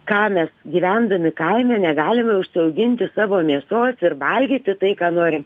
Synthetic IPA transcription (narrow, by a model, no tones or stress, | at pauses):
kɑːmʲɛsɡʲiːʋʲænd̪ɐmʲɪkɐɪmʲɛnʲɛɡɑːlʲɪmɐʊʃʲsʲɪɐʊɡʲɪnʲt̪ʲɪsɑːʋoːmʲiɛsoːsɪrʋɐlʲɡʲiːt̪ʲɪt̪ɐɪkɑːnoːɾʲɪm